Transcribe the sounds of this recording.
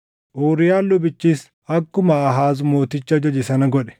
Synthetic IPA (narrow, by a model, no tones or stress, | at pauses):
ʔoːɾɪjaːnlʊbɪt͡ʃːiːs | ɐkːʊmɐːɦaːzʊmo̞ːt̪ɪt͡ʃːɐd͡ʒɐd͡ʒɪsɐnɐɡɔᶑɛ̥